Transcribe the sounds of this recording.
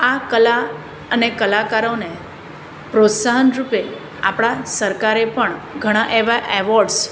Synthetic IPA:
akəla | ənekəlakaɾone | pɾot̪saɦənɾupe | a̰pɽasəɾkaɾepəɳɡʱəɽ̃ãʔeʋaʔeʋɔɾɖs

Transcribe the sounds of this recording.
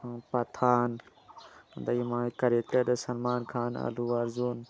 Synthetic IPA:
pɐt̪ʰaːn | d̪ɐjimãːkɐɾekt̪ɐd̪ɐsɐnmaːnkʰaːnɐ̰luʋɐɾzuːn

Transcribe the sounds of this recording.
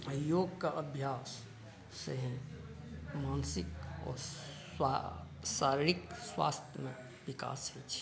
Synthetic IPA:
əjjoːɡkaʔəbʱjaːsː | əɦĩ | maːnsɪk̚ɔ̰ːɾ | saːɾɪɾikswa̰ːst̪ʰjəmḛ̃ | ʋɪka̰ːsɦet͡ʃʰ

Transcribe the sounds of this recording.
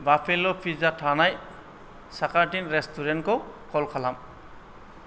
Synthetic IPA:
bapʰelɔpʰizatʰanaj | sakaɹtinɹɛstʰuɹɛntkɔkɔlkʰalam

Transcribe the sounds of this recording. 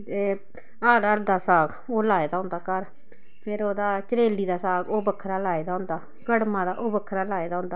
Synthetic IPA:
eː | aːɾəɾd̪aːsaːɡ | oːlaːeːd̪aːɦʊ̃nd̪aːkəɾ | pʰɪɾoːd̪aːt͡ʃəɾeːliːd̪aːsaːɡoːbəkʰːɾaːlaːeːd̪aːɦʊ̃nd̪aː | ɡəɽmãːd̪aːʔobəkʰːɾaːlaːeːd̪aːʊ̃nd̪aː

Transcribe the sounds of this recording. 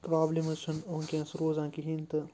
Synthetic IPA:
pɾaːblimɐst͡ʃʰɐnoːŋkãːnsɾoːzãːkiɦint̪ɨ

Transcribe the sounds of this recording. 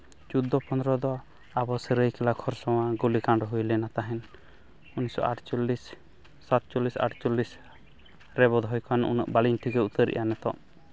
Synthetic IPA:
t͡ʃud̪ɔpɔnd̪ɾɔd̪ɔ | abɔsəɾəjkɛlakʰɔɾsɔw̃aɡulikanɖɔɦujlɛnat̪aɦɛn | unisɔ̰ʔaʈt͡ʃɔlːisː | at̪̚t͡ʃɔlːisa̰ʈt͡ʃɔlːis | ɾɛbɔd̪ʱɦɔjkʰanṵnə̰ʔbaliɲt̪ʰiɡɛut̪əɾḭʔjanɛt̪ɔ̰ʔ

